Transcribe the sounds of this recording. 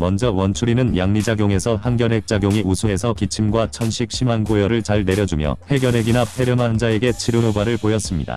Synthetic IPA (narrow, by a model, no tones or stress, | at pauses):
mʌnd͡ʑʌwʌnt͡ɕʰuɾinɯnjaŋɲid͡ʑaɡjoŋe̞sʰʌɦanɡjʌnɦe̞k̚t͡ɕ͈aɡjoŋiusʰuɦe̞sʰʌkit͡ɕʰimɡwat͡ɕʰʌnɕʰip̚ɕ͈ʰimanɡojʌɾɯɭt͡ɕaɭne̞ɾjʌd͡ʑumjʌ̰he̞ɡjʌɾe̞ɡinapʰe̞ɾjɯmand͡ʑae̞ɡe̞t͡ɕʰiɾunubaɾɯɭpojʌs͈ɯmɲḭda̰